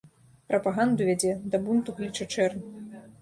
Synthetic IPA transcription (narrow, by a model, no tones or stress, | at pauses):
pɾɐpaɣand̪uvʲad͡zʲɛd̪ɐbunt̪uɣlʲit͡ʂɐt͡ʂɛrn